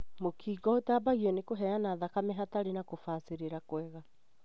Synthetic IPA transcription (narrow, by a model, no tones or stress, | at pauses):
mokʰiːɡɔotabaɣiɔnekoɦɛjanaðakamɛɦataɾenakofaːseɾeɾakwɛɣa